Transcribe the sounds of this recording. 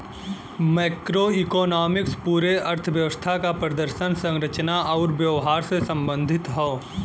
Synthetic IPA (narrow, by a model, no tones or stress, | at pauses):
mɛːkɾoikɔːnaːmɪkspuːɾeɐɾt̪ʰəʋjəʋəst̪ʰakapɾɐd̪əɾʃənsə̃ŋɾət͡ʃnaʔɔʊɾʋjəʋɦaːɾsesɐ̃mbə̃nd̪ʱɪt̪ɦɔː